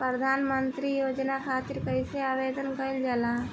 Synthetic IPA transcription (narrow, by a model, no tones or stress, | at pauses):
pɾəd̪ʱaːnmənt̪ɾijoːd͡ʒnakʰaːt̪ɪɾkɐiseaːʋeːd̪ənkɐɪld͡ʒala